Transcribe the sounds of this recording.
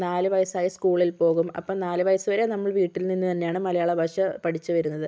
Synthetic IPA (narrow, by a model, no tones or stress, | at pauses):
naːlɨʋɐjɐsaːjɐskuːɭilpo̞ːɣumɐ̰pːoːnaːlɨʋɐjɐsuʋɐɾe̞nɐmːɐɭʋiːʈːilninːut̪ɐnːe̞jaːɳɨmɐlɐjaːɭɐbʱɐʂɐpɐʈʰit͡ɕːuʋɐɾunːɐðɨ